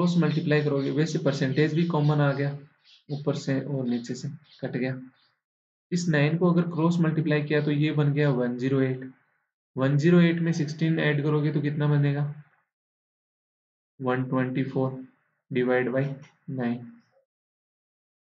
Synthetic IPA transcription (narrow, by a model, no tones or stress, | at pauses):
kɾoːsmɐlʈɪplaːikɐɾoːɡeʋɛːsepəɾsɛ̃ɳʈeːd͡ʒbʱikɔːmənaːɡɐjaː | upəɾseʔɔːɾnɪt͡ʃese | kɐʈɡɐjaː | ɪsnaːɪnkoɐɡəɾkɾoːsmɐlʈiplaːikijat̪ojebɐnɡɐjaʋɐnziːɾoeːʈ | ʋɐnd͡ʒiːɾoeːʈmẽsɪksʈiːnɛːɖkɐɾoːɡet̪okɪt̪nabɐneːɡaː | ʋɐnʈwɛ̃ɳʈipʰoːɾ | ɖɪʋaːɪɖbaːi | naːɪn